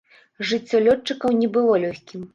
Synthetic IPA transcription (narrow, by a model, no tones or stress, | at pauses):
ʐɨt͡sʲːɔlʲɔt͡ʂːɨkɐwnʲɛbɨlˠɔlʲɔxʲkʲim